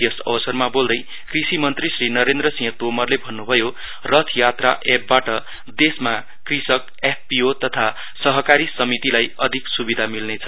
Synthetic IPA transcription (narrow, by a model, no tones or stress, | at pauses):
jʌsʌ̰bʌsʌrmabold̪ʌj | krisimʌnt̪risrinʌɾend̪ɾʌsĩt̪omʌrlebʱʌnːubʱʌjo | rʌt̪ʰjat̪ra̰ʔeb̚ːaʈʌ | d̪esma | krisʌk | ep̚ʰpiot̪ʌt̪ʰa | sʌɦʌkaɾisʌmit̪ilajʌd̪ʱiksubid̪ʱamilnet͡sʰʌ